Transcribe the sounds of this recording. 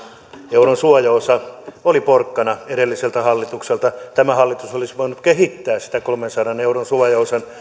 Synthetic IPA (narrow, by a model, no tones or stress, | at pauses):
euronsuɑjɑosɑoliporkːɑnɑeɾelːiselt̪æhɑlːit̪ukselt̪ɑt̪æmæhɑlːit̪usolisʋoinut̪kehit̪ːæːssi̥t̪ækolmensɑdɑneuronsuɑjɑosɑn